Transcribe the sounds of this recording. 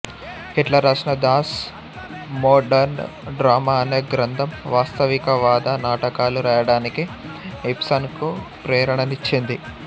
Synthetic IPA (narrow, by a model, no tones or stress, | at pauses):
hiʈlɐɾɐʂnɐd̪aːs | mɔːɖɐɾn | ɖɾaːmaːɐneːɡɾɐnd̪ʱɐmʋaːst̪ɐʋikɐʋaːd̪ɐnaːʈɐkaːluɾaːjɐɽaːniki | epsɐnkupɾɛːɾɐɳɐnit͡ʃːind̪i